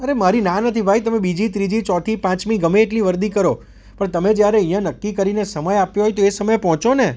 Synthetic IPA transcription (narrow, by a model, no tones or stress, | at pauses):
əɾemaɾinãnət̪ʰibʱajt̪əmẽbid͡ʒit̪ɾid͡ʒit͡ʃɔt̪ʰipãt͡ʃmĩɡəmeːʈliʋəɾd̪ikəɾo | pəɳt̪əmed͡ʒjaɾeəĩjãnəkːikəɾinesəməjapjoɦoɔjt̪oesəməjpɔɦɔ̃t͡ʃone